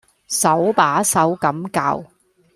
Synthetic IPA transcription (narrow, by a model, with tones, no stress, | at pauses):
sɐ˨˥wpaː˨˥sɐ˨˥wkɐ˨˥mka̰˧w